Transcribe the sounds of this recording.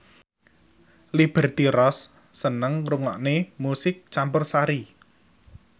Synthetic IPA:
lib̥ə̤rt̪iɾɔsː | ənəŋruŋɔʔnemusɪk̚t͡ʃampʊrsaɾi

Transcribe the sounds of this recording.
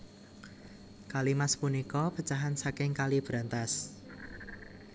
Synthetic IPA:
kalimaspunikɔpət͡ʃaɦansakɪŋkalib̥ɾant̪as

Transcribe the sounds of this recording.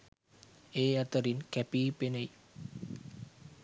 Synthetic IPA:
eat̪ɔɾinkɛpipene

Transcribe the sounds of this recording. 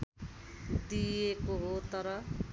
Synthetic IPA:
d̪ijekoɦot̪ʌɾʌ

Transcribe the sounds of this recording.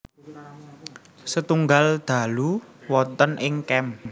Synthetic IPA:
sət̪uŋɡald̪̥a̤luwɔt̪ənʔɪŋkɛm

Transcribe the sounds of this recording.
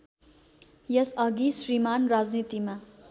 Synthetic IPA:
jʌsʌɡisrimanrad͡znit̪ima

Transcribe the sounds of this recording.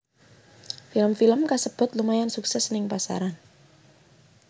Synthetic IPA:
filəmfiləmkasəb̥ʊ̤t̪lumajansuksɛsnɪŋpasa̰ɾan

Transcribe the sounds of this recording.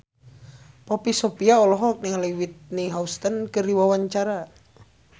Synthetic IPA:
pɔpisɔpiaɔlɔɦɔk̚niŋliwit̪̚niɦaust̪ənkəɾiwawaɲt͡ʃaɾa

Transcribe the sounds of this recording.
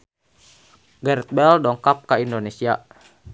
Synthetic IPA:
ɡɛɾɛt̪̚bɛldɔŋkap̚kaindonesia

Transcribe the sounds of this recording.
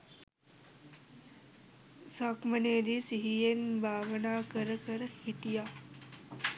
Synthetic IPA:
saːkməneːd̪iːsiɦienbʱaːʋnaːkəɾkəɾhiʈijaː

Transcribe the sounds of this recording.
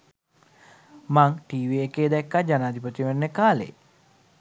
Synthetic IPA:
maŋʈiːʋiekeːd̪ɛkːad͡ʒanaːd̪ip̬ət̪iʋenːəkaːlḛ

